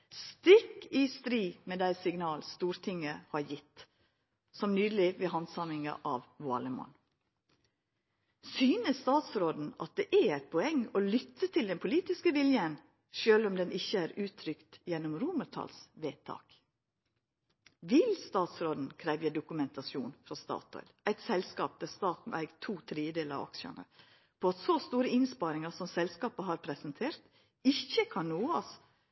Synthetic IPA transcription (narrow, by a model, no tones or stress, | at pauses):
st̪ɪkːɪst̪ɾiːmeːd̪æɪsɪɡnɑːlst̪uːɾt̪ʰɪŋːəhɑɾjɪt̪ː | sɔmnyːd̪əl̩ɪʋɛhɑnsɑmɪŋɑ̰ʔɑʋʋʊɑ̰ːləmɔ̰n | syːnəsst̪ɑːt̪sɾoːd̪n̩ɑt̪̚d̪eːʔææɪt̪̚pʰɔɛŋolʏt̪ʰːət̪ʰɪld̪ɛnpʰʊliːt̪ɪskəʋɪljən | ʃøːlɔmd̪ɛnʔɪçːəæːɾʉːt̪ʰɾʏkt̪jɛnːɔmɾuːməɾt̪ʰɑ̰ːlsʋeːt̪ʰɑ̰ːk | ʋɪlst̪ɑːt̪sɾoːd̪n̩kʰɾæːʋjəd̪ʊkʉmɛnt̪ɑsjuːnfɾɔst̪ɑ̰ːt̪ʰɔ̰ʏd̪æɪt̪sɛlskɑːp̚d̪æːst̪ɑːt̪n̩æ̰ɪɡt̪ʰuːt̪ʰɾiːəd̪eːləɾɑ̰ʋɑ̰kʃɑ̰nə̰ | pʰɔɑt̪sost̪uːɾəɪnspɑɾɪŋɑɾsɔmsɛlskɑːpəɦɑɾpʰɾɛsɛnt̪ʰeːɾt̪ | ɪçːəkʰɑnnoːɑs